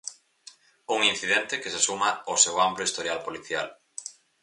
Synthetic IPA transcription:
uŋin̟θiðɛnt̪ɪkesesumaosewamploʊist̪oɾjalpoliθja̰l

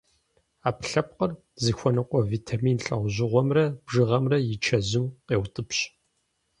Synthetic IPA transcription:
aːpɬɐp̚qər | zixʷɔnɨqʷʼɔviːtʰamiːnɬʼɐ̰ʁʷʑɪʁʷɔmrɐb̥ʐɨʁɐmrɐjɪt͡ʃʰɐzɨmqʼeːwtʼɨpɕ

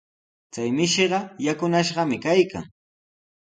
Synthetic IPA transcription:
t͡sajmɪʃeɢɑjakʊnaʃɢɑmɪkajka̰ŋ

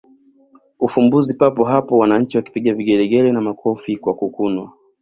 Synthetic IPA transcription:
ufumbuzipapɔɦapɔwanaɲ̩t͡ʃiwaki̥piɠaviɠɛɾɛɠɛlɛnamakʰɔfikwakukunwa

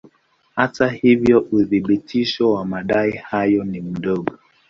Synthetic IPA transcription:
hatahivjɔʔuðiɓitʰiʃɔwamaɗaihajɔnim̩ɗɔɠɔ

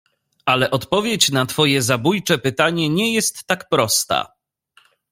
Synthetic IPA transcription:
alɛʔɔt̪pɔvʲjet͡ɕnat̪fɔjɛzabujt͡ʂɛpɘt̪aɲɛɲɛjɛst̪ːakpɾɔst̪a̰

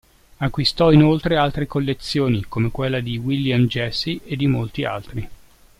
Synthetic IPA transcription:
akːwist̪ɔinolt̪ɾealt̪ɾekolːet̪sːjoːnikomekwelːad̪iwiljamd͡ʒɛsːiʔed̪ːimolt̪ia̰lt̪ɾi

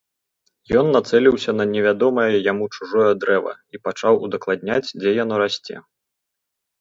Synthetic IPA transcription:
jɔnːat̪sɛlʲiwsʲɐnɐnʲɛvʲad̪ɔmɐjɐjamut͡ʂuʐɔjɐd̪ɾɛvɐ̰ipat͡ʂawud̪ɐklˠad̪̚ʲnʲat͡sʲd͡zʲɛjanɔɾasʲt͡sʲɛ̰

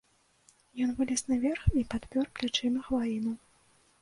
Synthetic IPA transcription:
jɔnvɨlʲɛsnɐvʲɛrxipat̪pʲɔrplʲat͡ʂɨmʲɐxvajinu

